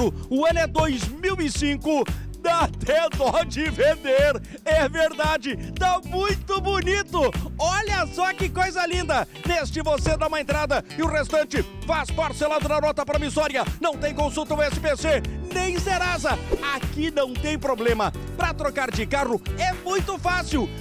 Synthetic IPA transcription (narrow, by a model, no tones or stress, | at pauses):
ʊʊẽnɛd̪ojzmiwɪsĩkʊd̪at̪ɛd̪ɔd͡ʒɪvẽnd̪eɾɛveɾd̪ad͡ʒɪt̪amũj̃t̪ʊbonit̪ʊɔʎɐsɔkɪkojzɐlĩnd̪ɐ | nest͡ʃɪvosed̪aũmɐẽnt̪ɾad̪ɐɪʊʁest̪ɐ̃nt͡ʃɪfaspaɾselad̪ʊnɐnɔt̪ɐpaɾɐmisɔɾiɐnɐ̃w̃t̪ẽj̃kõsut̪ɐw̃ɛsɪpesenẽj̃seɾazɐakinɐ̃w̃t̪ẽj̃pɾoblẽmɐ | pɾɐt̪ɾokaɾd͡ʒɪkaʁʊɛmũj̃t̪ʊfasiw